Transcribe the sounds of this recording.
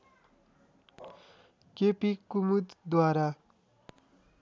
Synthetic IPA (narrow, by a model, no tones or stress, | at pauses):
kepikumud̪d̪waɾa